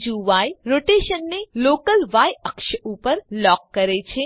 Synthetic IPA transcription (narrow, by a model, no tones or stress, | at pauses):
d͡ʒuʋajɾoːʈeːʃənːeloːkəlʋajəkʃəupəɾlɔːkːəɾet͡ʃʰe